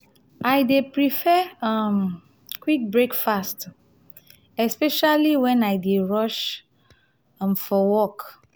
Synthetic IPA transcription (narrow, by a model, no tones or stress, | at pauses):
ʔajdepɹifɛʌm | kwik̚bɹekfast | ɛspɛʃaliwɛ̃najdeɹɔʃ | mfɔwɔk